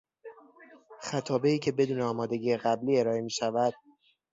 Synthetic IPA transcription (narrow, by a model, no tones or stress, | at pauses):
xæt̪ʰɒːbe̞iːcʰe̞be̞d̪uːneɒːmɒːd̪e̞ɟiːeɣæbliːe̞ɾɒːe̞miːʃævæd̪̥